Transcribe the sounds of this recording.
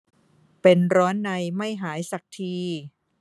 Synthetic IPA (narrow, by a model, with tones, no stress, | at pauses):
pe˧nɾɔː˦˥nːa˧jma˥˩jɦaː˩˦jsa˨˩k̚t̪ʰiː˧